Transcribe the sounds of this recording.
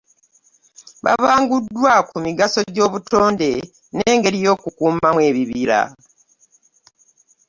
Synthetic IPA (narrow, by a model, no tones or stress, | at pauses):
βa̰βaːŋɡudːwakumiɡaso̞ɟo̞ːβutʰo̞ːnde̞ | neːŋɡe̞ɾijo̞ːkukuːmamwe̞ːβiβiɾa̰